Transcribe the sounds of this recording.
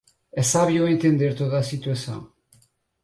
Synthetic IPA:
esaβjoent̪end̪eɾt̪oðasit̪uesa̰ŋ

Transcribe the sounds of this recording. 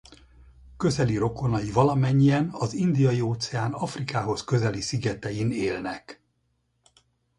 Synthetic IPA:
kø̞zɛliɾo̞ko̞nɒjivɒlɒmɛɲːiɛnɒzind̪ijɒjioːt̪sɛaːnɒfrikaːɦo̞skø̞zɛlisiɡɛt̪ɛjineːlnɛk

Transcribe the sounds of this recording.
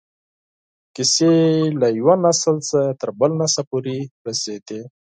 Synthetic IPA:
kɪselajwanasəlsət̪əɾbəlnasapoɾiɾased̪e

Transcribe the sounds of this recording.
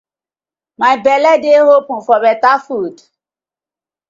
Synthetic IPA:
majbɛlɛdehopũfɔbɛtafud

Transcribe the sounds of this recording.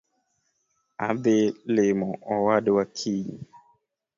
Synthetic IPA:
a̰belemɔɔwaɗwakʰiɲi

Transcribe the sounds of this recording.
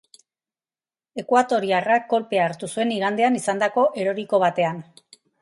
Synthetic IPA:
e̞kwat̪o̞ɾiarakːo̞lpe̞aːɾt̪usue̞niɣ̞and̪e̞anisand̪ako̞ʔe̞ɾo̞ɾiko̞β̞at̪e̞an

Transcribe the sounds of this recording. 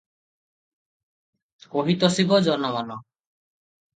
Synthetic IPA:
koɦit̪ɔsibɔd͡ʒɔnɔbanɔ

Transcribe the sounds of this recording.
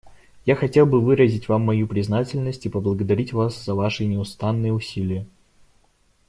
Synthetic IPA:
jaxɐtʲe̞lˠbɨvɨɾəzʲɪtʲvamːɐjupɾʲɪznatʲɪlʲnəsʲtʲɨpəblˠəɡəd̪ɐɾʲitʲvasz̥əvaʂɨnʲɪʊst̪anːɨjəʊsʲilʲɪjə

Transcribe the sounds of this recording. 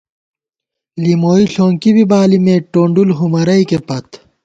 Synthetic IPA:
limoːiɬoːŋkibibaːlimeːʈoːɳɖulɦumɐɾɐikepɐt̪ʰ

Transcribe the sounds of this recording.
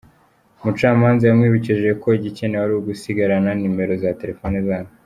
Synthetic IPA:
mut͡ʃaːmaːnzajamŋiːβiciʒe̞kʰo̞iɟicenewaɾuwɡusiɡaɾananime̞ɾo̞zate̞ɾe̞fo̞ːnezaːno

